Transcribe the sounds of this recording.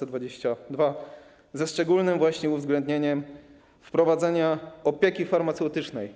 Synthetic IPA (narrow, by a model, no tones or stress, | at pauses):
ɛd̪vad͡ʑeɕt͡ɕad̪va | zɛʂt͡ʂɛɡulnɘmvwaɕɲɛuvzɡlɛnd̪ɲeɲɛm | fpɾɔvad̪zɛɲaɔpʲjekʲifaɾmat̪sɛwt̪ɘt͡ʂnɛj